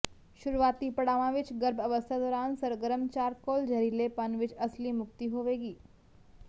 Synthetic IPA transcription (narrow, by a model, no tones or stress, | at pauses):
ʃʊɾuʋaːt̪ipɐɽaːʋãʋɪt͡ʃɡəɾbəʋəst̪ʰad̪ɔːɾaːnsɐɾɡəɾəmt͡ʃaːɾkoːld͡ʒʱɐɾilepɐnʋɪt͡ʃɐslimʊk̚t̪iɦoʋeːɡiː